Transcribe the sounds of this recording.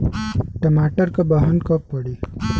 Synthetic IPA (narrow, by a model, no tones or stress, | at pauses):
ʈəmaːʈəɾkabəɦənkəpːəɽi